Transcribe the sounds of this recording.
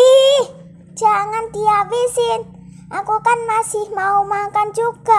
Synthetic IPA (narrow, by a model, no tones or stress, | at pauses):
ih | d͡ʒ̥aŋand̪iabisɪn | ʔakukanmasɪhmaumakand͡ʒuɡ̥a